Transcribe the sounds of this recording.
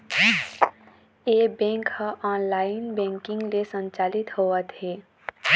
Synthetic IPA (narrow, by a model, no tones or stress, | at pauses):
ebẽŋkhãʔaːnlaːɪnbɛ̃ŋkɪ̃ŋɡlesə̃nt͡ʃaːlit̪hoət̪ɦe